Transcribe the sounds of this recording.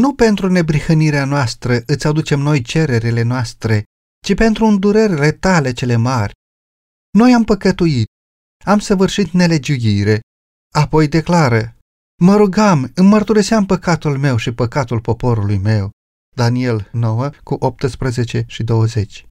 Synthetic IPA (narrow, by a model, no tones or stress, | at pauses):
nupe̞nt̪ɾune̞bɾihəniɾeanoast̪ɾəɨt̪sad̪ut͡ʃe̞mno̞jt͡ʃe̞ɾe̞ɾile̞noast̪ɾe̞ | t͡ʃipe̞nt̪ɾuːnd̪uɾerʲlet̪ale̞t͡ʃe̞le̞marʲ | no̞jampəkət̪uit̪̚ | amsəvɨrʃit̪ne̞le̞d͡ʒujiɾe̞ | apo̞jd̪e̞klaɾə | məɾuɡamɨnmərt̪uɾiseampəkat̪ulme̞wʃipəkat̪ulpo̞po̞ɾulujme̞w | d̪anie̞lno̞wəkuʔop̚t̪ɨspɾəze̞t͡ʃe̞ʃid̪o̞wəze̞t͡ʃʲ